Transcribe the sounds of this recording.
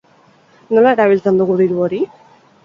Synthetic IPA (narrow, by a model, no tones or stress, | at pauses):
nolaeɾaβilt͡sand̪oɣuðiɾuoɾi